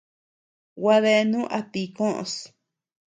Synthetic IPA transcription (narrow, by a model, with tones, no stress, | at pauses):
wa˧ðe˧nũ˦ʔa˧t̪i˧kõ˦ʔõ̰˧s